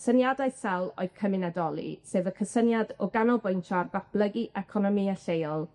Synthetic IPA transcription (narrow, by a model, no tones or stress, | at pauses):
sənjadajsɛlˠo̰ɨð̥kʰəmɪnadɔlˠḭseːvəkʰəsənjadɔɡanɔlˠbʊjntʰɔrɡapʰlˠəɡiʔɛkʰɔnɔmiaɬejɔlˠ